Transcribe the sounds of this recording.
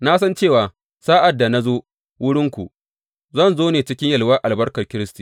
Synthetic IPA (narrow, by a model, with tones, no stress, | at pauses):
na˦s̬ɐ˦nt͡ʃeː˦˨waː˨ | saː˦ʔa˨dːa˨na˦zoː˦ | wʊ˦ɽɪ˦ŋkʷu˨ | zɐ˦˨nzoː˦neː˨t͡ʃɪ˦kʲɪ˦ɲjɐ˨lwa˦ʔa˨lbɐ˦rkɐ˨rkʲɪ˦ɾɪ˦sti˨